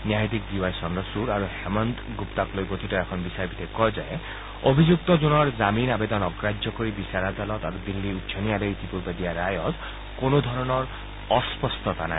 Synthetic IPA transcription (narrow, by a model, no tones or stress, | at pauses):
njaɦit̪ik̚d̪iwajsɔndɔsuɹaɹuhɛmɔnt̪ɡupt̪aklojɡot̪ʰitɔɛkʰɔnbisaɹbit̪ekɔjzae | obʱid͡ʒuk̚t̪ɔzɔnɔɹzaminabed̪ɔnɔɡɹad͡ʒjɔkoɹibisaɾazalɔt̪aɾub̪ilːiutʃʰɔnialeit̪ipuɹbad̪iaɾajɔt̪ | konod̪ʱɔɹɔnɔɹ | ɔspɔst̪ʰɔt̪ana̰